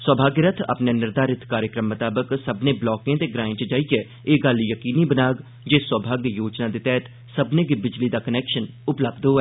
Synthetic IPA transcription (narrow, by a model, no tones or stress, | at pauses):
swəːbʱaːɡjɾət̪ʰa̰pnẽːnɪɾd̪aːɾɪt̪ʰkaːɾjəkɾəmːət̪aːbəksəbnẽːblɔːkẽːt̪eːɡɾaːɪ̃t͡ʃd͡ʒaːikeː | eːɡəljəkiːniːbənaːɡ | d͡ʒeːswəːbʱaːɡjjoːd͡ʒnaːd̪eːt̪ɛːt̪ | səbnẽːɡɪbɪd͡ʒliːd̪aːkənɛːkʃən | ʊpləbd̪ɦoːɛː